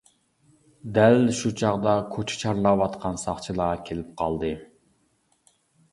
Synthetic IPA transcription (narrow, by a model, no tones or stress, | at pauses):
d̪ælʃut͡ʃʰɑʁd̪ɑkʰot͡ʃʰɛ̥t͡ʃʰɑɾlˠɑwɑt̪qʰɑnsɑχt͡ʃʰilˠɑkʲʰelɪp̚qʰɑlˠd̪ɨ